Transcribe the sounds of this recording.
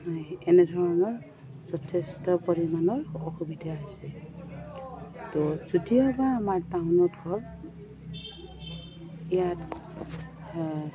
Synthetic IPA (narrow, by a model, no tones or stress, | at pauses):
ɛnedʱɔɹɔnɔɹ | zɔtʰɛstɔpɔɹimanɔɹɔxubidaɦojsɛ | tɔzudiɔbaːmaɹtawʊnɔdʱɔɹ | ijat